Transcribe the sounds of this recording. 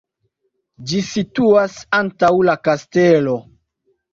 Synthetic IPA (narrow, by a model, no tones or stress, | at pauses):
d͡ʒisituasantawlakastelo̞